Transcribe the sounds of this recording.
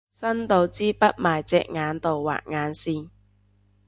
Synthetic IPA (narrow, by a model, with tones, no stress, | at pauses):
sɐ˥nt̪o˨˧wt͡siː˥pɐ˥t̚maː˨jt͡sɛ̰ː˧k̚ŋaː˨˧˥nt̪o˨wwa̰ː˨k̚ŋaː˨˧nsiː˧n